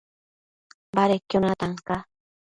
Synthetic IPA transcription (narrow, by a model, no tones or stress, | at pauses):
baɾekjʊnat̪aŋka